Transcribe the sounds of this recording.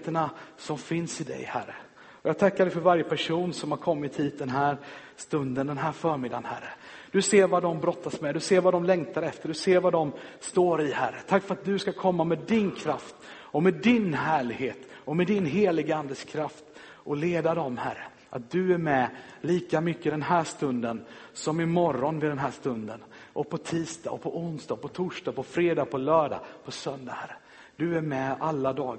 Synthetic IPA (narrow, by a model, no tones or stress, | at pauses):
t̪əɳasɔmfɪnsɪd̪ɛ̰jhæ̰ɾːə̰ | ɔjɑːɡ̚t̪ʰakːaɾɖɛjfɔɾvaɾjəpʰæʂuːnsɔmhaɾkʰɔmːɪt̪hiːt̪̚d̪ɛnɦæːɾst̪ɵnd̪ənd̪ɛnɦæːɾfœːɾmɪd̪anhæɾə | d̪̥ɵseːɾvad̪ɔmbɾɔt̪ːasmɛd̪ɵseːɾvad̪ɔmlɛŋt̪aɾɛft̪əɖɵseːɾvad̪ɔmst̪oːɾɪhæɾət̪ʰakːfœɾat̪̚d̪ɵskakʰɔmːamɛd̪ɪnkʰɾaft̪ | ɔmɛd̪ɪnɦæːɭɪɡheːt̪ɔmɛd̪ɪnɦeːlɪɡəand̪əskʰɾaft̪ | ɔleːd̪ad̪ɔmhæɾːə̰ | ʔat̪̚d̪ɵæɾmɛliːkamʏkːəd̪ɛnɦæːʂt̪ɵnd̪ənsɔmɪmɔɾːɔnvɪd̪ɛnɦæːʂt̪ɵnd̪ənʔɔpʰɔt̪ʰiːst̪ɑ̰ːpʰɔʔʊnsd̪ɑːɡ̚pɔt̪ʰʊʂʈɑːpʰɔfɾeːd̪ɑːɡ̚pʰɔlœːɖa̰pʰɔsœnd̪ahæɾə | d̪̥ɵæɾmɛalːad̪ɑːɡ